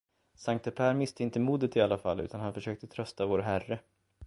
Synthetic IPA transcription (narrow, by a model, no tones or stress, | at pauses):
saŋkt̪əpʰæːɾmɪst̪əɪnt̪əmuːd̪ət̪ɪalːafalːʉ̟ːt̪ʰanhanfœʂøːk̚t̪ət̪ʰɾœst̪avoːɾɦærːə